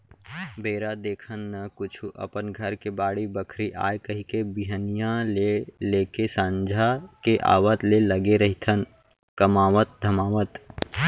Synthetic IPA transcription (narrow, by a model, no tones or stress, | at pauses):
bʱeːɾad̪eːkʰənːəkʊt͡ʃʰuʔə̰pənɡʱəɾkebaːɽibəkʰɾiʔa̰ːjkɐɦikebiɦənijãleleːkesãːɲd͡ʒʱakeʔa̰ːwət̪leləɡeɾəɦit̪ʰən | kəmaːʋət̪̚d̪ʱəmaːʋət̪